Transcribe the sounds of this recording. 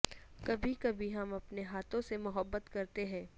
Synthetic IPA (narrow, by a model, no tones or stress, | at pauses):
kɐbʱikɐbʱiɦɐmɐpneɦaːt̪ʰõsemʊɦəbːət̪kɐɾt̪eɦɛ̃ː